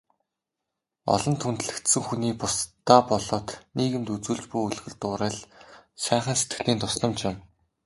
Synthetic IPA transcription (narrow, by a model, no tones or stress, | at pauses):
ɔ̰ɮɞ̆nt̪ʰunt̪ɮɘ̆kt̪sɘ̆ŋxuniːpʊst̪ːaːpɔɮɔːt̪niːɣɘ̆mt̪ut͡suːɮt͡ɕpujuɮɣɘ̆ɮt̪ʊːɾæːɮʃæːχə̆nset̪̚ɡɘ̆ɮiːnt̪ʰʊsɮə̆mt͡ɕɪ̆m